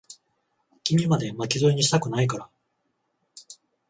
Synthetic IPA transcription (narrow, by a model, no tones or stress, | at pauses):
kʲimʲimad̪e̞makʲizoiɲ̟iɕi̥t̪akɯ̟naikaɾa